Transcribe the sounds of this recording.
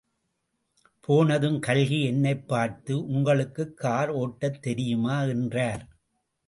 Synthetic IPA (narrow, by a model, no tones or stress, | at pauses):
pʰoːnɐðɯmkɐlɣiɛnːɐɪpːaːɾt̪ɯʔʊŋɡɐɭɯkːɯkːaːɾoːʈːɐt̪ːɛɾɪjɯmaːɪndraːɾ